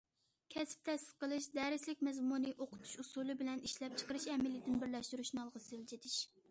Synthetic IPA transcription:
kʲʰɛsp̚t̪ʰɛsɪ̥lqʰəlˠɨʃd̪ɛɾɪslɪk̚ʲmɛzmunɨʔoqʰʊ̥t̪ʰu̥ʃusulˠɨbɪlɛniʃlɛp̚t͡ʃʰə̥qəɾɨʃɛmɪlɪd̪ɪnbɪɾlɛʃt̪uɾuʃnɑlˠʁəseld͡ʒid̪ɪʃ

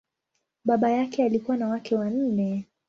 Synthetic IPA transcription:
ɓaɓajakɛalikuwanawakɛwan̩nɛ

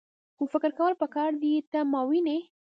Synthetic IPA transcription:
xofɪkɾkawəlpəkɑɾd̪it̪amɑwine

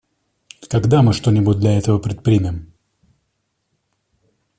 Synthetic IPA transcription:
k̪ɐɡd̪amɨʂt̪o̞nʲɪbʊt̚ʲd̪lʲɐɛt̪əvəpɾʲɪt̪̚pɾʲimʲɪm

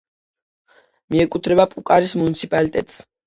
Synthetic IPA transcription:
miɛkʼut̪ʰɾɛbapʼukʼaɾismunit̪sʰipʼalit̪ʼɛt̪ʼs

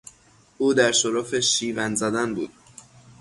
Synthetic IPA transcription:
ʔuːd̪æɾʃoɾofeʃiːvænzæd̪ænbuːd̪̥

